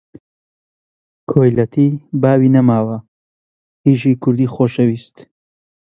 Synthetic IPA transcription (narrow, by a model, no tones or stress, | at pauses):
kʰoːjlɐt̪ʰiːbaːwiːnɐmaːwɐ | hiːʃiːkʰʊɾd̪iːxoːʃɐwiːst̪